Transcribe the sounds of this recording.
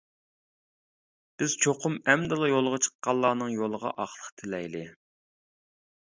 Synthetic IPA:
b̥ɪz̥t͡ʃʰoqʰʊmɛmd̪ɨlˠɑjolˠʁɑt͡ʃʰə̥qːɑlˠːɑːnɨŋjolˠəʁɑ̰ʔɑχlˠəqt̪ʰɪlɛjlɪ

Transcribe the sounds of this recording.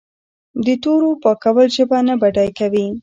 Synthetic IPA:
d̪ət̪oɾopɑkawəlʒəbanabaɖɑjkawi

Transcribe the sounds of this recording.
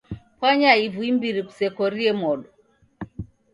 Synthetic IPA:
pwaɲaivuimbiɾiku̥sɛkɔɾiɛmɔɗɔ

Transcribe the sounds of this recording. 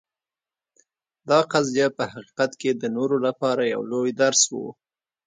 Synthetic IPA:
d̪ɑqazjapəhaqi̥qat̪ked̪ənoɾolapɑɾaja̰wlojd̪aɾswṵ

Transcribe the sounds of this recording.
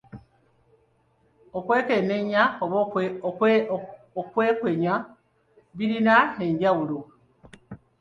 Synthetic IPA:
okwe̞ːke̞neɲaoβ | okweːkwe̞ɲa | βiɾinae̞ɲɟawulo

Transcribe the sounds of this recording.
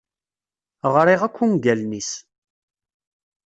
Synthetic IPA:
ʁɾˤiʁækʷːunɡælnis

